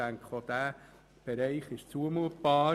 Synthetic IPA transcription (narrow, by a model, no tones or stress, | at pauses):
æŋkχod̪̥æː | b̥ɛɾɛɪχɪʃt͡suəmuːt̚b̥ɑː